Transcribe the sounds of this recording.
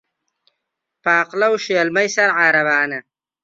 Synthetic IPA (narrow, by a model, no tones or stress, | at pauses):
paːqlɐwʃeːlmɐjsɐɾʕaːɾɐvaːnɐ